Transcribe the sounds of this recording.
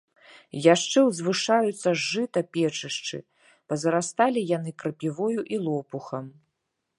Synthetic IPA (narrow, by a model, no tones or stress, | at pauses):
jaʂt͡ʂɛwzvɨʂajut̪sːɐʐːɨt̪ɐpʲɛt͡ʂɨʂt͡ʂɨ̰ | pɐzɐɾast̪alʲijanɨkɾɐpʲivɔjuʔilˠɔpuxɐm